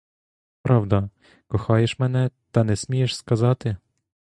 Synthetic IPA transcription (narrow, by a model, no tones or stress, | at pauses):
pɾɑwd̪ɐ | kɔxɑjeʃmɛnɛt̪ɐnɛsʲmʲijeʃskɐzɑt̪ɪ